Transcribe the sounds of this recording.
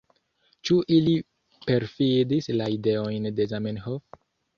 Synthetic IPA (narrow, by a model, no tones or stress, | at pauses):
t͡ʃuʔili | pe̞ɾfidislaide̞o̞jnde̞zamenɦof